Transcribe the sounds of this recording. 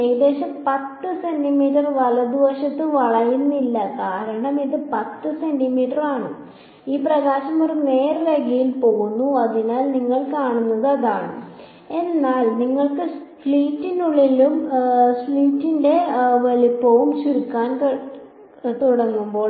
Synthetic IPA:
ed̪e̞ːɕɐmpɐt̪ːɨse̞ndimiːʈɐrʋɐlɐd̪iʋɐɕɐt̪ːɨʋɐɭɐjunːilːɐkaːɾɐɳɐmiðɨpɐt̪ːɨse̞ndimiːʈɐraːɳɨ | iːprɐɣaːɕɐmorineːrlɐɡɐjilpo̞ːɣunːuɐðinaːlniŋːɐɭkaːɳunːɐðɨɐðaːɳɨ̰ | e̞nːaːlniŋːɐɭkɨ | fɭiːtːinuɭːilumsɭiːtːinde̞ʋɐlipːoːʋumt͡ɕuɾukːaːnk | t̪uɽɐŋːumbo̞ːɭ

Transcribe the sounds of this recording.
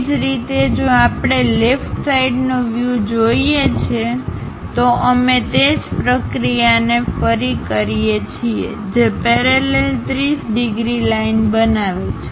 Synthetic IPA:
d͡ʒɾit̪ed͡ʒoapɽ̃elefʈsaiɖnoʋjud͡ʒoiet͡ʃʰe | t̪oʔəmet̪ed͡ʒpɾəkɾijanefəɾikəɾijet͡ʃʰiḛ | d͡ʒepɛɾelelt̪ɾisɖiɡɾilainbənaʋet͡ʃʰe̥

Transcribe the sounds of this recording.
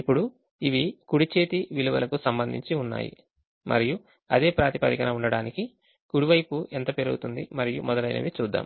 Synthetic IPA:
ipːuɽu | iʋikuɽit͡ʃe̞ːt̪iʋiluʋɐ̰lɐkusɐmbɐnd̪ʱḭɲt͡ʃiunːa̰ːjḭ | mʔɐ̰ɾiju | ɐ̰d̪e̞ːpɾaːt̪ipɐɾikɐnɐuɳɖɐɽaːniki | kuɽiʋɐjpuʔent̪ɐpeɾuɡut̪und̪imɐɾijumɔd̪ɐlɐjnɐ̰ʋit͡ʃuːd̪ːa̰ːm

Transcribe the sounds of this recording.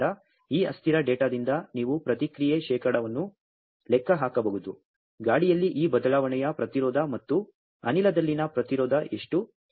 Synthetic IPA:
ɐ | iːɐ̰st̪ʰiɾɐɖeːʈaːd̪ind̪ɐniːʋupɾɐt̪ikɾijeʃɛːkɐɽɐʋɐnːu | lɛkːɐɦaːkɐbɐɡut̪u | ɡaːɽijɐlːiʔiːbɐd̪ɐlaːʋɐɳɛjɐpɾɐt̪iɾɔːd̪ʱɐmɐt̪ːu | ɐ̰nilɐd̪ɐlːinɐpɾɐt̪iɾɔːd̪ɐʔe̞ʂʈu

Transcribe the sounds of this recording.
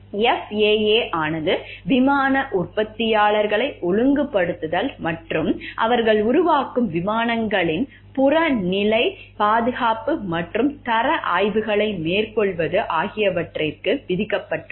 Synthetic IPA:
ɛfeːeːʔaːnɐðɯʋɪmaːnɐʔʊrpɐt̪ːɪjaːɭɐɾɣɐɭɐɪʔʊɻɯŋɡɯpːɐɽɯt̪ːɯðɐlmɐʈrɯmʔɐ̰ʋɐɾɣɐɭʊɾʊʋaːkɯmʋɪmaːnɐŋɡɐɭɪn | pʊrɐnɪlɐɪpaːðɯɣaːpɯmɐʈrɯmt̪ɐɾɐʔaːjʋɯɣɐɭɐɪmeːrkɔɭʋɐðɯʔaːɣɪjɐʋɐʈrɪrkɯʋɪðɪkːɐpːɐʈːɯm

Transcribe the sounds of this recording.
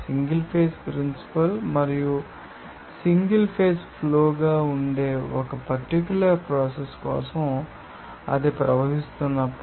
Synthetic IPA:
siŋɡɐlpʰe̞ːspɾinsi̥pɐlmɐɾiju | siŋɡɐlpʰe̞ːspʰloːɡaːuɳɖe̞ːɔkɐpɐɾʈik̬ʲjulɐɾpɾaːseskɔ̰ːsɐm | ɐ̰d̪epɾɐʋɐɦist̪unːɐpː

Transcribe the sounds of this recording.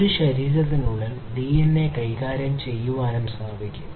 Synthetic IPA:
ɾuɕɐɾiːɾɐðinuɭel | d̪iːjɐnːe̞kɐjkaːɾjɐmt͡ɕe̞jːuʋaːnɐmsʰaːbʱikʲːu

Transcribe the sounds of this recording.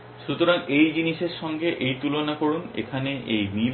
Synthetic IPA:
ʃut̪oɾaŋejd͡ʑiniʃeɾʃɔŋɡeʔejt̪ulonakoɾunḛkʰaneʔejmil

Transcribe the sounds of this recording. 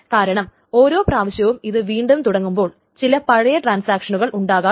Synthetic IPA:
kaːɾɐɳɐm | o̞ːɾo̞ːpraːʋɐɕjɐʋumiðɨʋiːɳɖumt̪uɽɐŋːumbo̞ːɭ | t͡ɕilɐpɐɻɐjɐʈraːnsaːkʂɐnuɣɐɭuɳɖaːɣaː

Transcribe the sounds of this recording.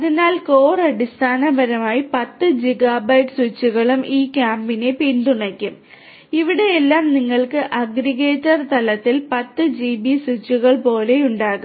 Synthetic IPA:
ɐðinaːlkoːrɐɽist̪ʰaːnɐbɐɾɐmaːjipɐt̪ːɨd͡ʑiɣaːbɐjʈswut͡ɕːuɣɐɭumiːkʲaːmbine̞pinɖ̪uɳɐkʲːum | iʋiɽe̞jelːaːmniŋːɐɭkɨʔɐɡɾiɣeːtːɐrt̪ɐlɐt̪ːilpɐt̪ːɨd͡ʑibisut͡ɕːuɣɐɭpo̞ːle̞uɳɖaːɣum

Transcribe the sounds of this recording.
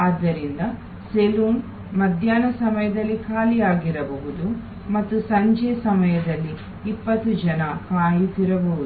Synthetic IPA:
aːd̪ːɐɾind̪ɐ | seluːn | mɐd̪ʱjaːnɐsɐmɐjɐd̪ɐlːikʰaːlijaːɡiɾɐbɐʋud̪u | mɐt̪ːusɐɲd͡ʒɛːsɐmɐjɐd̪ɐlːiː | pːɐt̪ːud͡ʒɐnɐkaːjit̪iɾɐbɐɦud̪u

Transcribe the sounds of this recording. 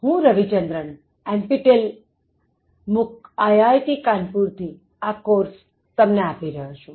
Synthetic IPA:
ɦũɾəʋit͡ʃənd̪ɾəɳ | ɛ̃npiʈel | mʊkajajʈikanpuɾt̪ʰi | akoɾs | t̪əmneapiɾəɦot͡ʃʰũ

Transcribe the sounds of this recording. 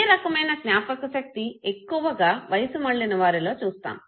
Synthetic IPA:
ɾɐkɐmɐjnɐsnjaːpɐkɐʃɐk̚t̪ie̞kːuʋɐɡaːʋɐjɐsumɐɭːinɐʋaːɾilo̞ːt͡ʃuːst̪a̰ːm

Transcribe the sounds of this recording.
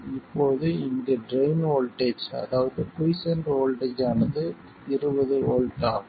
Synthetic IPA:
ɪpːoːðɯɪnd̪ɐɖɾɐjɪnoːlʈet͡ʃːɐ̰ðaːʋɐðɯkʊjsɛndroːlʈɐt͡ʃːaːnɐðɯ | ɪɾɯbɐðɯoːlʈaː

